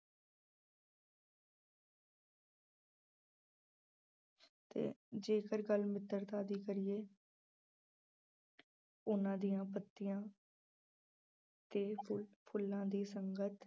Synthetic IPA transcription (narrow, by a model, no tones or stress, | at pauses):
t̪ḛːd͡ʒeːkəɾɡəlmɪt̪ːəɾt̪aːd̪iːkəɾɪjeː | ʊnãːd̪ɪjãːpət̪ːɪjãː | t̪eːpʰʊlãːd̪iːsəŋɡət̪